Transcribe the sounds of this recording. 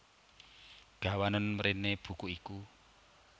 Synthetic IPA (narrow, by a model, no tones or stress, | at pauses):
ɡ̥a̤wanənməɾineb̥ṳkuiku